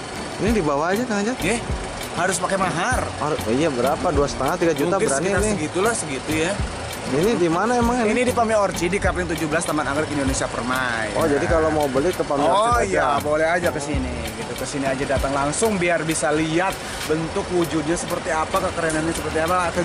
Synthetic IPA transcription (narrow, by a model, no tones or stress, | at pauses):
inidibawaːd͡ʒat̪əŋad͡ʒaɛh | haɾʊspakɛmaɦaraijabəɾapaduasə̥t̪aŋat̪iɡad͡ʒut̪akəɾaninaiɡit̪ulasəɡit̪uja | inidimanaemaŋinidipamiɔrt͡ʃidikaplɪŋt̪ud͡ʒʊhbəlast̪amanaɡɾɪkindonesiapərmaj̰ɔd͡ʒadikalomaubəlɪkəpamiojabolɛɦad͡ʒakəsini | ɡit̪ukəsiniad͡ʒadat̪aŋlaŋsʊŋbiarbisaliat̪̚ | bənt̪ʊkwud͡ʒud̚ɲasəpərt̪iapakəkəɾənanɲasəpərt̪iapaka